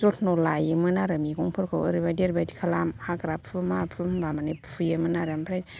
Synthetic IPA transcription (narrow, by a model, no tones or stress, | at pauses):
zotʰnolajɯmɯnaɾɯmiɡuŋpʰɯɾkʰɯwə̰ɾibadiɾbadikʰalamhakɾapʰɯmapʰɯmbamanepfʰujemɯnaɾampʰɾaj